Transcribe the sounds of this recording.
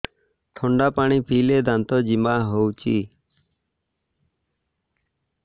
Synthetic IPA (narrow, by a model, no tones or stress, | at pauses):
t̪ʰɔɳɖapaɽ̃ipʰiled̪ant̪ɔd͡ʒimaɦowt͡ʃi